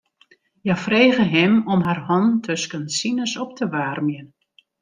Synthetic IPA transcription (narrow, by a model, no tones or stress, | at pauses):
jafreːɣəɦɪmɔmɦarhɔntʰøskənsinəsɔp̚təʋaːrmjən